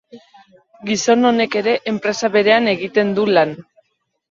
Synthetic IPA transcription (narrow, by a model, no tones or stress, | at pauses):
ɡiso̞no̞ne̞ke̞ɾe̞ʔempɾe̞saβe̞ɾe̞ane̞ɣit̪e̞nd̪ulan